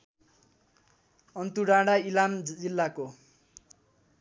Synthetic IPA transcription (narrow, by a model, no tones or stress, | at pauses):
ʌnt̪uɽaɽailamd͡zilːako